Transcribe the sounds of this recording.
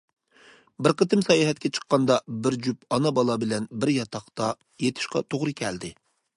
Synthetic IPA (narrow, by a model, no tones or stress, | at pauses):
bɪɾqʰət̪ɪmsɑjɑɦɛt̪̚kʲɛt͡ʃʰə̥qːɑnd̪ɑbɪɾd͡ʒypɑnɑbɑlˠɑbɪlɛnbɪɾjɑt̪ʰɑχt̪ɑ | jet̪ʰɪ̥ʃqɑ̰t̪ʰoʁɾɨkʲʰɛld̪ɪ